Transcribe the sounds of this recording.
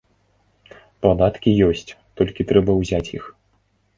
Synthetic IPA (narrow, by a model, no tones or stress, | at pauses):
plˠad̪at̪kʲijɔsʲt͡sʲt̪ɔlʲkʲit̪ɾɛbɐwzʲat͡sʲjix